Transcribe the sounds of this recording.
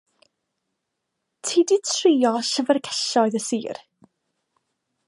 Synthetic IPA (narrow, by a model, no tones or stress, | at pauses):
tʰiːditʰriːɔʃəvərɡʰɛɬɔɨðəsiːr